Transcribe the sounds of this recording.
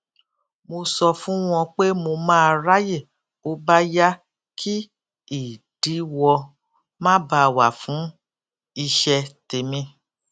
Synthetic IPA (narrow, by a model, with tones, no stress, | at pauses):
mo˧sɔ˧fũ˦w̃ɔ̃˧k͡pe˦mo˧mãː˦˧ɾa˦je˦˨ | o˧˦ba˦ja˦ | kʰi˦ | i˦˨ | d̥i˨˦wɔ˧ | mãː˦ba˧˨wa˨fũ˨˦ | i˧ʃɛ˧te˨mĩ˧